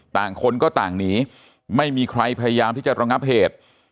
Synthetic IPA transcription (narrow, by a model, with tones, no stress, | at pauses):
t̪aː˨˩ŋkʰo˧nkɔː˥˩t̪aː˨˩ŋniː˦˥ | ma˥˩jmiː˧kʰɾa˧jpʰa˧ja˧jaː˧mt̪ʰiː˥˩t͡ɕa˨˩ɾa˧ŋa˦˥p̚ɦeː˨˩t̪̚